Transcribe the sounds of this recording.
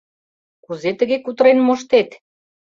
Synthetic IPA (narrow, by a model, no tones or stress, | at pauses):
kuzet̪ə̆ɣekut̪əɾenmoʃt̪et̪